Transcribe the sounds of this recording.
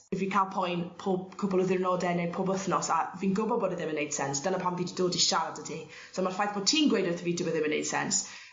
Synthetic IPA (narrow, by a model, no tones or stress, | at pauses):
ɪvikʰalˠpʰɔjnpʰɔkʰʊbəlˠəðɪɹənɔdɛnɛpʰɔbəθnɔsaviːnɡʊbɔbɔdəðɪmənejd̥sɛnsd̥anəpʰamvididoːdiʃaɾədədʰi | somarfajθb̥ʰɔtʰiːnɡwedəθʰəviːdəbəðɪmənejd̥sɛ̰ns